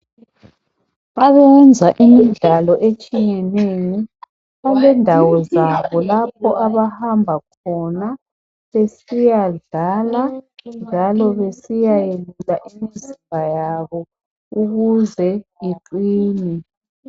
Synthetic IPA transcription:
βaβɛnd͡zʱaʔimiɮalɔʔet͡ʃʼijɛnejɔ | βalɛndʱawɔzaβɔlap̚ʰɔʔaβahambʱakʰɔna | βesijaɮaland͡ʒʱalɔβesijajelutʼaʔimiziɣajaβɔ | uɣuzɛjiǃiːni

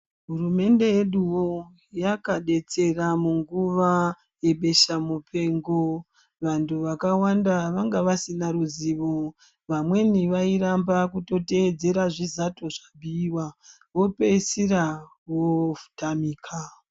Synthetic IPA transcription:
ɦuume̞nde̞je̞ɗuwo | jakaɗe̞t͡se̞ramuŋɡuʋa | je̞ɓe̞ʃamupʰe̞ŋɡo | ʋantʰuʋakawandaʋaŋɡaʋasinaɾuziʋo | ʋamwe̞niʋaiɾambakuto̞te̞ːd͡ze̞ɾaʐizato̞ʐabʱiːwa | ʋo̞pe̞isira | ʋofu̥tamiːkʰa

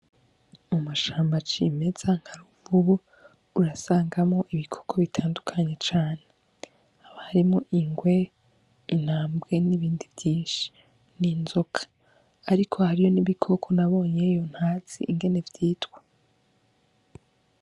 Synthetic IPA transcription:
umuʃaːmbat͡ʃime̞z̥aŋ̥haɾuvuβu | uɾasaːŋɡamŋo̞ʔiβikʰo̥kʰo̞βitʰaːndukʰaɲe̞t͡ʃaːne | aβahaɾimŋoʔiŋɡwe̞ | in̥haːmbɡe̞niβiːndivjiːnʃi̥ | ninzokʰḁː | ɾikʰo̞haɾijo̞niβikʰo̞kʰo̞naβo̞ːɲe̞jo̞n̥haːz̥ḭːŋɡe̞ne̞vjiːtwe

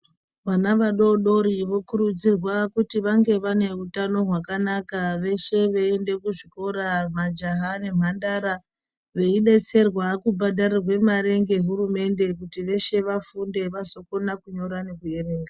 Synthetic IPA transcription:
ʋanaʋaɗo̞ɗo̞ɾiʋo̞kuɾud͡zirwakutiʋaŋɡe̞ʋane̞utano̞ɦwakanakaʋe̞ʃe̞ʋeende̞kuʐiko̞ɾam̤ad͡ʒaɦane̞m̤andaɾa | ʋe̞iɗe̞t͡se̞rwakubʱadarirwe̞maɾe̞ŋɡe̞ɦuɾume̞nde̞kutiʋe̞ʃe̞ʋafunde̞ʋaso̞ko̞nakuɲo̞ɾane̞kuje̞ɾe̞ːŋɡa

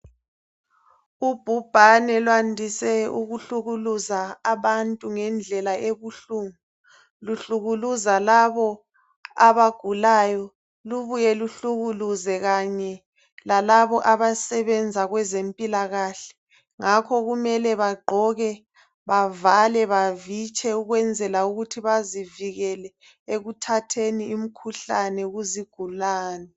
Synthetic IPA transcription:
ub̥ʱub̥ʱanɛlwandʱisɛuɣuɬuɣuluzaːβantʼuŋɛnd͡ɮʱɛlaʔeβuɬuːŋu | luɬuɣuluzalaβɔ | aβaɡ̥ʱulajɔ | luβujɛluɬuɣuluzɛɣaɲɛ | lalaβɔʔaβasɛβɛnd͡zʱaɣwɛzempʼilaɣaːɬɛ̥ | ŋakʰɔɣumɛlɛβaɡ͡ǃʱɔɣɛ | βavalɛβavit͡ʃʼɛuɣwɛnd͡zʱɛlauɣutʰiβaziviɣɛlɛ | eɣutʰatʰeniːm̩kʰuɬanɛuɣuziɡ̥ʱulaːnɛ

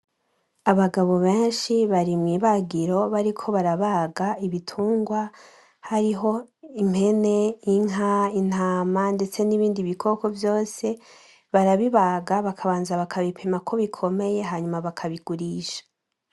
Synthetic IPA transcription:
aβaɡaβo̞βe̞ːnʃiβaɾimŋiːβaɡiɾo̞βaɾikʰo̞βaɾaβaːɡaiβitʰuːŋɡwa | haɾiɦo̞im̥he̞ne̞iŋɦain̥haːmande̞t͡se̞niβiːndiβikʰo̞ko̞vjo̞ːse̞ | βaɾaβiβaɡaβakʰaβaːnzaβakʰaβipʰe̞makʰo̞βikʰo̞me̞je̞ɦaɲumaβakʰaβiɡuɾiːʃḁ

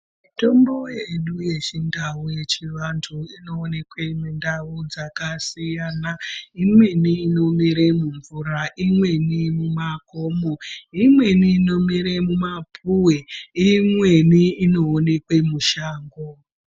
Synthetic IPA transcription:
mito̞mbo̞jeɗuje̞t͡ʃindauje̞t͡ʃiʋantʰuino̞ːne̞kwemundaud͡zakasijaːnaimwe̞niːno̞miɾemuɱvuɾaʔimwe̞nimumakomoimwe̞niːno̞miɾemumapʰuweimwe̞niino̞ːne̞kwe̞muʃaːŋɡo

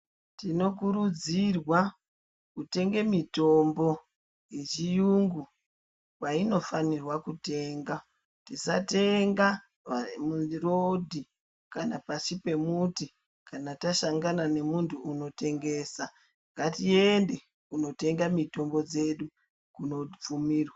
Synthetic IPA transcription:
tino̞k̬uɾud͡zirwa | kute̞ŋɡe̞mito̞mbo̞ | jet͡ʃijuŋɡu | waino̞fanirwakute̞ːŋɡa | tisate̞ŋɡa | munirodʱi | kanapasipe̞muti | kanataʃaŋɡanane̞muntʰuːno̞te̞ŋɡe̞ːsa | ŋɡatie̞nde̞ | kuno̞te̞ŋɡamito̞mbo̞d͡ze̞ɗu | kuno̞p͡fumiːrwa

